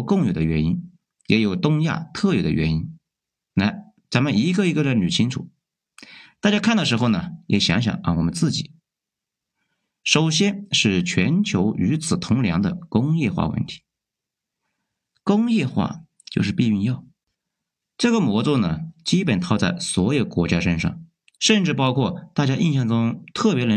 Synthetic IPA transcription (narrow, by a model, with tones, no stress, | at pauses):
kɤ˥˩ŋjo˨˩ʊd̪ə̰˦ɥɛ̰˧˥nḭ˥n | jɛ˧˥jo˨˩ʊt̪ʊ˥ŋja̰˥˩t̪ʰɤ˥˩jo˨˩ʊd̪ə̰˦ɥɛ̰˧˥ni˥n | na˥˩ | t͡sa˧˥nmə˨ni˧˥ɡə˧i˧˥ɡə˧də˧ny˨˩t͡ɕʰi˥ŋʈ͡ʂʰṵ˨˩˦ | t̪a˥˩t͡ɕja˥kʰa˥˩nd̪ə˩ʂɻ̩˧˥xo˧ʊnə˩jʔɛ̰˨˩ɕjɑ̰˧˥ŋɕ̬jɑ̰˨˩˦ŋ˧˩wɔ˨˩mə˦nt͡sɹ̩˥˩t͡ɕi˨˩˦ | ʂo˨˩ʊɕjɛ˥nʂɻ̩˥˩t͡ɕʰɥɛ˧˥nt͡ɕʰjo˧˥ʊy˧˥t͡sʰɹ̩˨˩t̪ʰʊ˧˥ŋljɑ̰˧˥ŋd̪ə̰˧kʊ˥ŋjɛ˥˧xwa̰˥˧wə̰˥˩nt̪ʰi̥˧˥ | kʊ˥ŋjɛ˥˧xwa̰˥˩ | t͡ɕjo˥˧ʊʂ̬ɻ̩˥˧pi˥˧y˥˧njɑ˥˩ʊ | ʈ͡ʂɤ˥˩ɡə˩mwɔ˧˥t͡so˥˩nə˩t͡ɕi˥pə˨˩nt̪ʰɑ˥˧ʊt͡sa˥˩ɪswɔ˧˥jo˨˩ʊkwɔ˧˥t͡ɕja˥ʂə˥nʂɑ̰˥˩ŋ | ʂə˥˧nʈ͡ʂɻ̩˥˩pɑ˥ʊkʰwɔ˥˧t̪a˥˩t͡ɕja˥ʔi˥˧nɕjɑ˥˩ŋʈ͡ʂʊ˥ŋt̪ʰɤ˥˩pjɛ˧˥lə˧˥